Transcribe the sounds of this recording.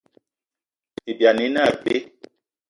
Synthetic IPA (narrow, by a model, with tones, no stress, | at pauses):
i˨bja˨ni˨˦na˦˨be˦